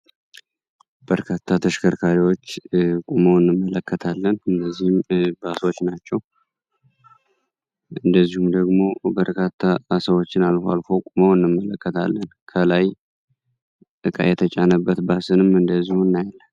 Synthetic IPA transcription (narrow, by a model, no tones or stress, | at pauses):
b̥əɾkʰat̪ʰːat̪ʰəʃkʰəɾkʰaɾiwo̞t͡ʃːkʼuməwɨnːɨmːələkːət̪ʰalːənɨndəzːihɨmbaswot͡ʃːnat͡ʃːɛw | ʔɨnd̪əzːihumd̪əɡmo̞bəɾkʰat̪ʰːasəwo̞t͡ʃːɪnalfa̰lfowkʼuməwɨnːɨmːələkːət̪ʰa̰lːənkʰəlaj | t̪ʼɨkʼa̰jɛt̪ʰət͡ʃʼanəbːət̪basɨnɨmɨnd̪əzːihunːajlːən